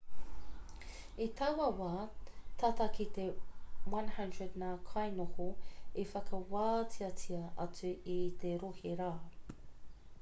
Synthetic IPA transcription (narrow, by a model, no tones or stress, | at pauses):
it̪ʰɐwɐwaːt̪ʰaːt̪ɐkit̪ewɐ̃nhɐ̃ndɹədnakʰɐjnohoifɐkʰɐwaːt͡sʰiɐt͡sʰiɐʔɐt͡sʉʔit̪eɾoheɾaː